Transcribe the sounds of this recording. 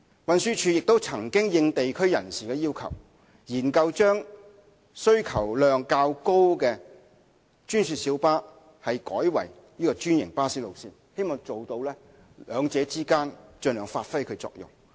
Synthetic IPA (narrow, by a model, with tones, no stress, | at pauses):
wɐ˨˧nsyː˧t͡ʃʰyː˧jɪ˨k̚t̪o˥wt͡sʰɐ˨˩ŋkɪ˥ŋjɪ˧ŋt̪e˨jkʰɵ˥ɥjɐ̰˨˩nsiː˨kɛː˧jiː˥wkʰɐ̰˨˩w | jiː˨˩nkɐ˧wt͡ʃœː˥ŋ | sɵ˥ɥkʰɐ˨˩wlœː˨˧ŋkaː˧wko˥wkɛ˧ | t͡ʃyː˥nsyː˧t̚siː˨˥wpaː˥ | hɐ˨jkɔː˨˥jwɐ̰˨˩j | jiː˥kɔː˧t͡ʃyː˥njɪ̰˨˩ŋpaː˥siː˥lo˨wsiː˧˥nhe˥jmɔː˨ŋt͡so˨wt̪o˧wlɛː˥ | lœː˨˧ŋt͡sɛː˨˧˥t͡siː˥kaː˥nt͡ʃɵ˧nœː˨˩ŋfaː˧t̚fɐ˥jkʰɵ˨˧ɥt͡sɔ̰ː˧k̚jʊ̰˨˩ŋ